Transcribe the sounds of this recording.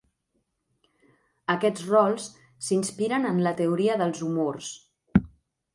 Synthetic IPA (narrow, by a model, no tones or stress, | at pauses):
əkɛd͡zrɔlˠs | sinspiɾənənlət̪əuɾiəðəlˠzumors